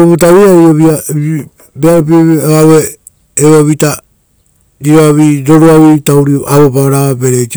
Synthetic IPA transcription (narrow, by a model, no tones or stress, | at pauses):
oβutaβiaɾioβia | beaɾop̬ioβaweː | βoβita | ɾiɾoaβiɾoɾuaβitawɾioʔaβopaaɾaβabeɾek